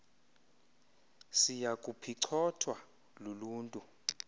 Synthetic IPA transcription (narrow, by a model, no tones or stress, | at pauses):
sijakʼupʰiǀʰɔtʰwa | luluːntʼu